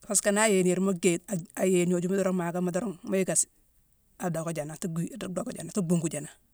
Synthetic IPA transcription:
fa˨ska˨na˦je˨ni˨ɾmo˦ɡe˨a˨a˨je˨no˨d͡ʒu˦ma˦dɔ˦ɾo˦ŋma˨ɡa˦ma˦do˦ɾo˦ŋmo˦ji˦ɡa˨s | a˨do˨ko˦d͡ʒa˨na˨tu˦ɡi˦˨ddo˨ko˨d͡ʒa̰˨na˨tu˦ɡu˦ŋɡu˨d͡ʒa˨na˨

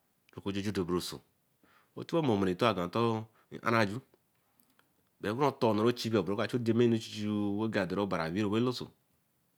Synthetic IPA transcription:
ɾo˨ko˦d͡ʒo˦d͡ʒo˦do˨bɾo˨so̰˨ | o̰˦tu˦o˦mo˨mo˨ɾe˨to˦a˨ɡa˨to̰˦˨ | ʔa̰˦ɾa˦˨d͡ʒu˦ | be˨˦ɡu˦o˦to˦˨no˨ɾo˦t͡ʃi˦bi˦o˨bɾo˦ka˨t͡ʃo˦de˨me˦no˦t͡ʃi̥˦t͡ʃi˦we˦ɡa˨de˨ɾo˦ba˨ɾa̰˨wi˦ɾo˨we˦lo˦so̰˨

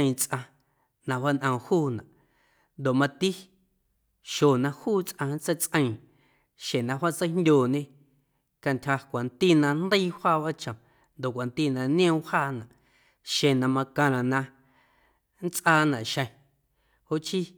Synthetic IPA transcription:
t͡sʔã˧ | nã˧wa˦nʔã˧˨˧huː˦nã̰˨ʔ | nd̪o˨ʔmã˧t̪i˦ | ʃo˨nã˧huː˦t͡sʔã˧n˦t͡se˦˨t͡sʔə̃˧ĩ˨ | ʃẽ˨nã˧hwa˦ʔt͡sə˦jndʲoː˨ɲẽ˦ | ka˧ntʲʰha˧kʷa˨nt̪i˦nã˧nd̪ə˦i˦haː˦˨βa˦t͡ʃã˨ | nd̪o˨ʔkʷa˨nt̪i˦nã˧nj̃õ˦haː˦˨nã˨ʔ | ʃẽ˨nã˧mã˧kã˧ɾã˨nã˧ | n˦t͡sʔaː˧˨nã˨ʔʃə̃˧˨ | ho˦ʔt͡ʃi˦

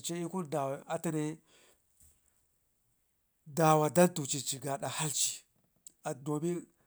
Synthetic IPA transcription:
t͡ʃe˦i˦ku˦nda˨wa˨a˨ta˨ne˦ | da˨wa˨da˦ntu˨t͡ʃi˨t͡ʃi˨ɡa˨ɗa˨ha˦lt͡ʃi̥˨ | a˨do˨mi˦n

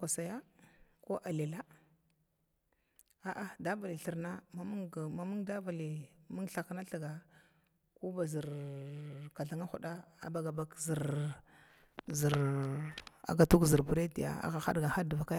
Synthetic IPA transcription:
ka˨sa˨ja˦ko˦ʔa˨li˨la˦ | a˨ʔa˦da˦va˨li˨ɬi˨ɾna˦ma˦mu˦ŋ˨ma˦mu˦ŋda˦va˨li˨mu˦ŋɬa˨kna˦ɬə˨ɡa˨ | ku˦ba˨zi˨ɾ | ka˨ɬa˨ŋa˦xu˨ɗa˦a̰˨ba˨ɡa˨ba˦kzi˨ɾ | zi˨ɾ | a̰˨ɡa˨tu˦ɡzi˨ɾbu˨ɾe˦di˨ja̰˦a̰˦ɣa˨xa̰˦dɡa˨xa˦dva˨ka˦ja˦

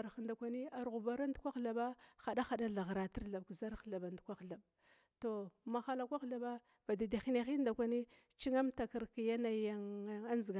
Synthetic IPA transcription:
ɾxnda˨kʷa˨ni˦a˨ɾɣu˨ba˨ɾa˦ndu˨˦kʷa˦xɬa˨ba˦xa˨da˦xa˨ɗa˦ɮa˨ɣɾa˨ti˦ɾɮa˨b̚kza˦ɾɬa˨ba˨ndkʷa˦xɮa˨b | to˨ma˨xa˨la˨kʷa˦xɬa˨ba˦ | ba˨da˨da˨xi˦na˨xi˦nda˨kʷa˨ni˦ | t͡ʃi˦ŋa˦mta˨ki˨ɾki˨ja˦na˨ja˨ŋ˦a˦nzi˨ɡa˨

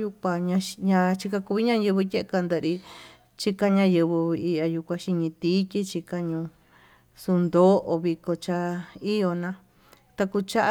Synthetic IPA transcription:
ju˧kʷa˧ɲã˧ɲã˧t͡ʃi˧ka˧ku˧βi˦ɲã˦jɨ˧βɨ˧je˦ʔe˧ka˧nd̪e˧˨˧ɾi˧ | t͡ʃi˧ka˧ɲã˧jɨ˧βɨ˧i˧ʔa˧ju˧kʷã˧ʃi˧ɲĩ˧t̪iː˦ki˦t͡ʃi˧ka˧ɲũ˧ | su˧nd̪o˦ʔo˧βi˧ko˧t͡ʃa˧i˦jo˧nã˧ | t̪a˧ku˧t͡ʃa˦ʔ

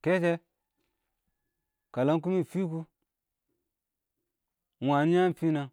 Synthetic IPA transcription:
ke˦ke˦ | ka˨la˦ŋk̬u˦mi˦˨fi˦k̬u˧ | wa˨ni˦ja˦m˦fi˦na˧

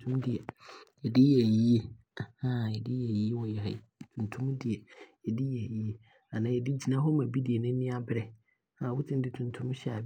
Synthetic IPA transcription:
tʰũ˦m˦di˨ɛ˨ | ɛ˨dɪ˦jɛ˨ji˦e˦˨ | hã˦˨ɛ˨dɪ˦jɛ˨ji˦e˦wɔ˨jɛ˨ɦɛ̰˨i˨tʰũ˨ntʰũ˦m˦di˨ɛ˨ɛ˨dɪ˦jɛ˨ji˦e˦ | a˨nã˨jɛ˨dɪ˦d͡ʑi˨nã˦ɦɔ˦mã˨bi˦di˨e˨nʊ̃˦nĩ˦a˦bɪ˦ɾɛ˨ | hã˨wʊ˦tʰɪ̃˦n˦dɪ˦tʰũ˨n˨tʰʊ̃˦m˦ɕɛ˦a˨

